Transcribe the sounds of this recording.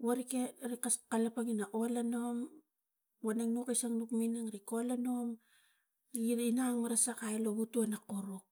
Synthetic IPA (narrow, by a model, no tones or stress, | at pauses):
waɾikeɾikaskalapaŋinaʔo̞lano̞m | wanaŋnukasaŋnukminaŋɾiko̞lano̞m | iinaŋmaɾasakajloβutuanakoɾok